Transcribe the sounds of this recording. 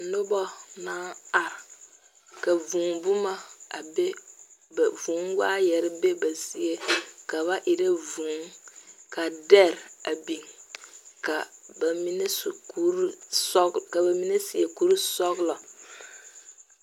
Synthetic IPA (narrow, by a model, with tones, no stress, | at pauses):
nʊ˦bɔ˦na˦a˨ɾ | ka˨vũ˨ŋbʊ˦ma˦a˨be˦bvu˨˦ŋ˦waː˦jɛ˨ɾɪ˦be˦ba˨si˨e˦ka˨βa˦ʔi˨ɾe˦vũː˨˦ŋka˨dɛ˦˨ɾa˨bi˨ŋ | ka˨ba˨mi˦ne˦sku˦ɾsɔ˦ka˨ba˨mi˦ne˦si˨e˨ku˦ɾsɔ˦ɡlɔ˨